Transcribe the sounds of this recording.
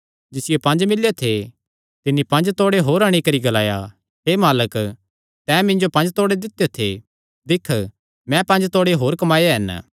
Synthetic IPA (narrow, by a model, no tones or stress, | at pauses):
d͡ʒɪsɪjopɐ̃nd͡ʒmɪlːjot̪ʰe | t̪ɪnːipɐ̃nd͡ʒt̪oːɽeɦoːɾɐɽ̃ikɐɾiɡɐlaːja̰ | ɦeːmaːlək | t̪ɛ̃ːmɪ̃nd͡ʒopɐ̃nd͡ʒt̪oːɽed̪ɪt̪ːejot̪ʰḛ | d̪ɪkʰ | mɛ̃pɐ̃nd͡ʒt̪oːɽeɦoːɾkɐmaːjeɦɛn